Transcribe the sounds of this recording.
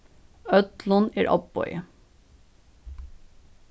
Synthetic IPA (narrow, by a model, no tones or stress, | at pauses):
œt̪lɔneːɾʔɑbɔ̰ʏə